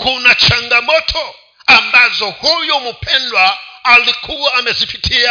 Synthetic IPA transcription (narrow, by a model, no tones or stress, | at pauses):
kʰunat͡ʃaŋɡamɔtʰɔ | ambazɔhujɔmupʰɛndwaːlikʰuwaːmɛzipitʰia